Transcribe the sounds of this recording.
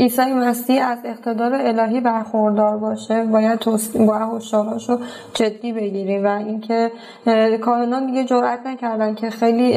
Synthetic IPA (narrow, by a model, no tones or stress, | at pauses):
ʔiːsɒːjemæsiæze̞qt̪ʰe̞d̪ɒːɾeelɒːɦiːbæɾxoɾd̪ɒːɾbɒːʃebɒːjæd̪̚t̪ʰosibɒːjæhoʃt̪ɒːɾhɒːʃo | d͡ʒe̞d̪ːiːbe̞ɟiːɾiːmvæincʰe̞ | kʰɒːhe̞nɒnd̪iɡe̞d͡ʒoɾʔæt̪ʰnæcʰæɾd̪æncʰe̞xejliː